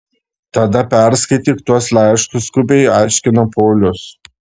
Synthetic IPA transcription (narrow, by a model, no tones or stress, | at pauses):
t̪ɐd̪ɐpʲæˑɾskɐɪt̪ʲiːkt̪uɔslʲˠɑˑɪʃt̪ʊskʊbʲɛɪɑˑɪʃʲkʲɪnɐpoːlʲʊs